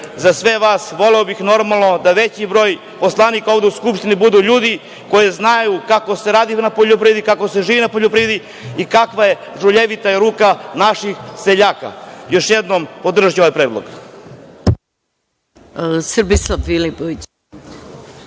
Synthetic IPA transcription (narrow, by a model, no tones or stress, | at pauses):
zasʋe̞ʋaːsʋo̞leobixno̞ɾmalˠno̞d̪aʋet͡ɕibɾo̞ːj | po̞slˠanikaoʋd̪e̞uskupʃt̪inibud̪uːʎuːd̪i | ko̞jeznajukako̞se̞ɾaːd̪inapoʎop̬ɾied̪ikakoseʒiːʋinapoʎopɾied̪i | ikakʋaje̞ | ʒuʎeʋit̪aiɾuːkanaʃixseʎaːka̰jo̞ʃjed̪nompo̞d̪r̩ʒjoʋajpɾeːd̪lˠo̰ɡ | sr̩bislafilipoʋit͡ɕ